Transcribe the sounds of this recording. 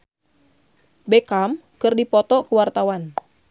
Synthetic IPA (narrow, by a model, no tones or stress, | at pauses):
bɛkamkɨrdipɔt̪ɔkuwart̪awan